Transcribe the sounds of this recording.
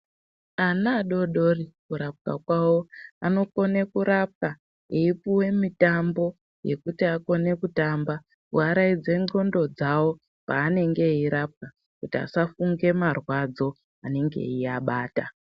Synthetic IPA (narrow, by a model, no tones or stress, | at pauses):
anaːɗo̞ɗo̞rikuɾap̚ka̰kwawo̞ano̞ko̞ne̞kuɾap̚ka | eipuwe̞mitambo̞ | je̞kutiako̞ne̞kutamba | kuaɾaid͡ze̞ŋo̞ndo̞d͡zawo̞ | paːne̞ŋɡe̞iɾap̚ka | kutia̰safuŋɡe̞marwad͡zo̞ | ane̞ŋɡe̞̰iaɓaːta